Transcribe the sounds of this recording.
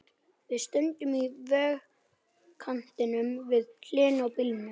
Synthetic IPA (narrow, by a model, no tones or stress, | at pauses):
vɪðst̪œnt̪ʏmivɛːɣ | kʰan̥t̪ɪnʏmvɪðk̪ʰlɪːnawpilnʏ